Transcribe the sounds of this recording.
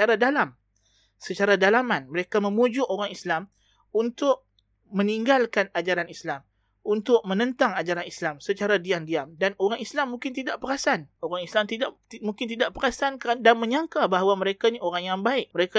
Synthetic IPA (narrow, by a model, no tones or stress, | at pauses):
aɾadalam | sət͡ʃaɾadalamanməɾekamə̃mud͡ʒʊʔoɾaŋislam | unt̪ʊʔ̚ | mə̃niŋɡalkanad͡ʒaɾanislam | unt̪ʊk̚mə̃nə̃nt̪aŋad͡ʒaɾanislamsət͡ʃaɾadiandiamdanoɾaŋislamːũŋkɪnt̪idaʔpəɾasanoɾaŋislamt̪idaʔmũŋkɪnt̪̬idaʔpəɾasankandanmə̃ɲaŋkabaɦawamə̃ɾekaɲioɾaŋjaŋbaɪʔ̚məɾeka